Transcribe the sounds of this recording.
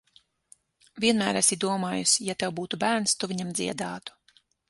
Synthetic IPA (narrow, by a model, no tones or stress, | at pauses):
vʲiɛnmæːɾasid̪uɔmaːjusjat̪ɛwbuːt̪ubæːɾnst̪uviɲamd̪ziɛd̪aːt̪u̥